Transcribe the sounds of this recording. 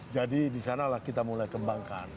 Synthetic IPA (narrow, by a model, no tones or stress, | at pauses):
d͡ʒadidisanalahkit̪amulajkəmbaŋka̰n